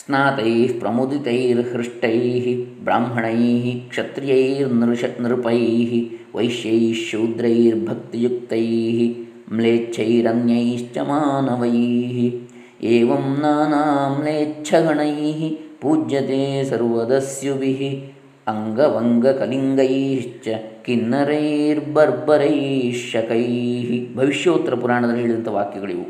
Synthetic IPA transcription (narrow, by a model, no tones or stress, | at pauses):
snaːt̪ɐjipɾɐmud̪it̪ɐjiːɾhɾɪʂʈɐjːɦibɾa̰ːmɦɐɳɐjɦikʂɐt̪ɾijɐjiːɾnɾɐniɾpɐjːɦiʋɐ̰jʃjɐjiʃuːd̪ɾɐjiɾbʱɐk̚t̪ijuk̚t̪ɐjiːɦi | mleːt͡ʃʰɐjiɾɐnjɐjiʃt͡ʃɐ̰maːnɐʋɐjiːɦi | eːʋɐmnaːnɐɦɐmleːtːt͡ʃʰɐɡʱɐɳɐjɦipuːd͡ʒjɐt̪eːsɐɾʋɐd̪ɐsjuʋiɦi | ɐŋɡɐʋɐŋɡɐkɐliŋɡɐjɦiʃt͡ʃt͡ʃːɐkinːɐɾɐiɾbɐɾbɐɾɐjʃɐkɐjɦibʱɐʋiʂjɐːt̪ːɐɾɐpuɾaːɳɐd̪ɐlːiɦeːɭid̪ɐnt̪ɐʋaːkjɐɡɐɭḭʋṵ